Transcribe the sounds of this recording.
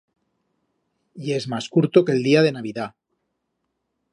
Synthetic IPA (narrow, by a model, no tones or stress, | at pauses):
je̞zmaskuɾt̪okeːld̪iað̞e̞naβ̞iða